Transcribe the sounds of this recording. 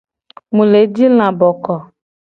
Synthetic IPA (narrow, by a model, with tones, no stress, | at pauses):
mũ˨le˨˦d͡ʒi˦l̃ã˨bɔ˨kɔ˨